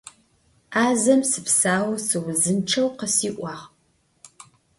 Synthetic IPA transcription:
aːzɐmsɨpsaːwɐsɨwzɨnʈ͡ʂʰɐwqəsiːʔʷɑːʁ

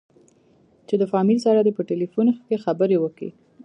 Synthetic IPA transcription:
t͡ʃed̪əfɑmilsaɾad̪epəʈelifunxkexabəɾewəkḭ

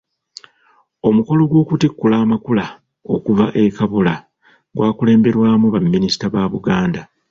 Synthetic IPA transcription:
o̞muko̞lo̞ɡwo̞ːkutikːulaːmakula | o̞kuvaʔe̞kaβula | ɡwaːkule̞ːmbe̞ɾwaːmuβamːinisi̥taβaːβuɡaːnda

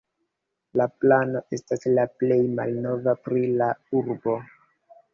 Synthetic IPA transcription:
laplano̞ʔe̞staslaple̞jmalno̞vapɾilauɾbo̞

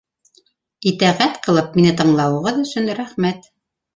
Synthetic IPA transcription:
it̪æʁæt̪qɤ̆lˠɤp̚minɘt̪ɤ̆ɴlˠɑwɤ̆ʁɤðɵ̆sɵnɾæχmæt̪

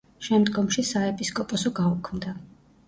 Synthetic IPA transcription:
ʃɛmd̪ɡɔmʃisaɛpʼiskʼɔpʼɔsɔɡaukʰmd̪a

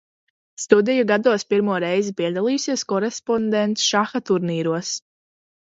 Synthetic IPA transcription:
st̪ud̪ɛjuɡad̪uɔspiɾmuɔɾɛjzipiɛd̪alˠiːjusiɛskɔɾespɔnd̪ent̪sʃaxat̪uɾniːɾuɔs

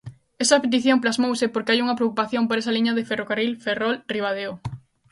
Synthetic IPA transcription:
esɐpet̪iθjomplazmowsepoɾkeajuŋɐpɾeokupaθjompoɾes̬ɐliɲɐðeferokarilferɔlriβað̞eo

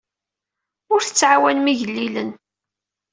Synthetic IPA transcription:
ʊɾθət͡sːʕawænmiʝəlːilən

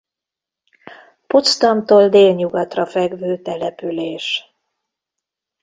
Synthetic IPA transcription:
pot̪st̪ɒmt̪oːld̪eːlɲuɡɒt̪rɒfɛɡvøːt̪ɛlɛpyleːʃ

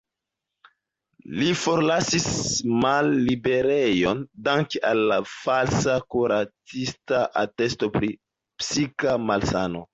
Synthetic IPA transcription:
lifo̞ɾlasismalːibe̞ɾejo̞ndaŋkealːafalsakuɾat͡sistaʔate̞sto̞pɾi | psikamalsano̰

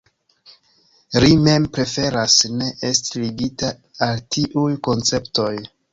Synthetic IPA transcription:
lime̞mpɾe̞fe̞ɾasne̞ʔestiliɡita | altʰiʔujko̞nt͡se̞pto̞j

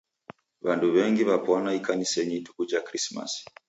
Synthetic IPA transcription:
βanduβɛŋɡiβapwanaikanisɛɲitu̥kud͡ʒakɾisma̰s

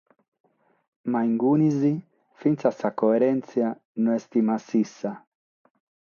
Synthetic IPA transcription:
maiŋɡunizi | fint̪sasakoɛɾɛnt̪sja | nɔɛst̪imasisːa

